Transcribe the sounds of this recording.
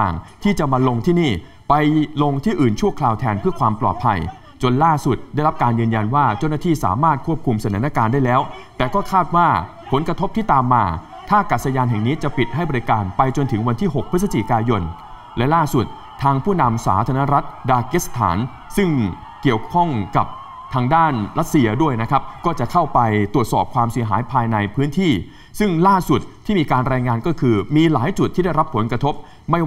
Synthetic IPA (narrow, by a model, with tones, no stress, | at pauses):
aː˨˩ŋt̪ʰiː˥˩t͡ɕa˨˩ma˧lo˧ŋt̪ʰiː˥˩niː˥˩ | pa˧jlo˧ŋt̪ʰiː˥˩ʔɯː˨˩nt͡ɕʰu˥˩ɐkʰlaː˧wt̪ʰɛː˧npʰɯ˥˩ɐkʰwaː˧mplɔ̰ː˨˩t̪̚pʰa˧j | t͡ɕo˧nlaː˥˩su˨˩t̪̚daː˥˩jɾa˦˥p̚kaː˧njɯː˧nja˧nwaː˥˩t͡ɕaː˥˩wnaː˥˩t̪ʰiː˥˩sa̰ː˩˦maː˥˩t̪̚kʰu˥˩p̚kʰu˧msa˧˩t̪ʰaː˩˦na˦˥˩kaː˧ndaː˥˩jlɛː˦˥wt̪ɛː˨˩kɔː˥˩kʰaː˥˩t̪̚waː˥˩ | pʰo˩˦nkɾa˧t̪ʰo˦˥t̪ʰiː˥˩t̪aː˧mːaː˧ | t̪ʰaː˥˩kaː˨˩t̪̚sa˧jaː˧nɦɛ˨˩ŋniː˦˥t͡ɕa˨˩pi˨˩t̪̚ɦa˥˩jbɔ˧ɾi˧kaː˧npa˧jt͡ɕo˧nt̪ʰɯ˩˦ŋwa˧nt̪ʰiː˥˩ɦo˨˩k̚pʰɯ˦˥sa˧t͡ɕḭ˨˩kaː˧jo˧n | lɛ˦˥laː˥˩su˨˩t̪̚ʰːaː˧ŋpʰuː˥˩na˧msa̰ː˩˦t̪ʰaː˧na˦˥ɾa˦˥t̪̚daː˧kiː˦˥st̪ʰa̰ː˩˦n | sɯ˥˩ŋ | ki˨˩əwkʰɔ˥˩ŋka˨˩p̚ | t̪ʰaː˧ŋdaː˥˩nɾa˦˥t̪̚si˧ɐdu˥˩əjna˦˥kʰa˦˥p̚kɔː˥˩t͡ɕa˨˩kʰa˥˩wpa˧jt̪u˨˩ət̪sɔ̰ː˨˩p̚kʰwaː˧msi˩˦ɦa̰ː˩˦jpʰaː˧jna˧jpʰɯː˦˥nt̪ʰiː˥˩ | sɯ˥˩ŋlaː˥˩su˨˩t̪̚ʰːiː˥˩miː˧kaː˧nɾɛː˧ŋaː˧nkɔː˥˩kʰɯː˧miː˧laː˩˦jt͡ɕu˨˩t̪ʰiː˥˩da˥˩jɾa˦˥pʰːo˩˦nkɾa˧t̪ʰo˦˥p̚ | ma˥˩j